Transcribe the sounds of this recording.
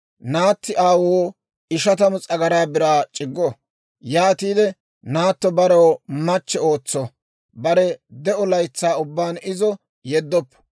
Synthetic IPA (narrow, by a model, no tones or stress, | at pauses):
naːt̪ːɪʔaːwoː | ɪʃɐt̪ɐmʊt͡sʼɐɡɐɾaːbɪɾaːt͡ʃʼɪɡːɔ | jaːt̪iːd̪ɛ | naːt̪ːɔbɐɾɐwmɐt͡ʃːɛo̞ːt͡sːɔ | bɐɾɛd̪ɛʔɔlɐjt͡sːaːʊbːaːnɪzɔ | jɛd̪ːɔpːɔ̥